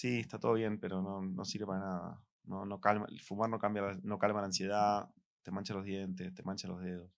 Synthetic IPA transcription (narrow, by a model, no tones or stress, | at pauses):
sieht̪at̪oðje̞mpe̞ɾo̞nono̰siɾβe̞paɾanaða̰ | nono̞kalma̰fumaɾno̞kambjalano̞kalmalaːnsje̞ð̞a | t̪e̞mant͡ʃalo̞ɦðje̞nt̪̬e̞st̪e̞mant͡ʃalo̞ɦð̞eð̞o̞s